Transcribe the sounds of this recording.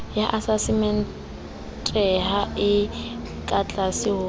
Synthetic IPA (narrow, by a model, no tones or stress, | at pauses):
jaʔasasɪmɛn | tʼɛɦaɪ | kʼat͡ɬʼasɪɦʊː